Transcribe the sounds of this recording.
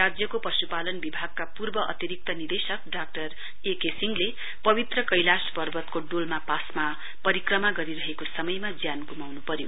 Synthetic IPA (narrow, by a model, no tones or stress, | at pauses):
rad͡zjʌkopʌsupalʌnbibʱaɡ̚kapurbʌʔʌ̰t̪iɾik̚t̪ʌnird̪esʌk̚ɖak̚ʈʌr | ekesiŋɡle | pʌbit̪rʌkʌjlaspʌrbʱʌt̪koɖolmapasma | pʌɾikrʌmaɡʌɾiɾʌɦekosʌmʌjmad͡zjanɡumawnupʌɾjo̰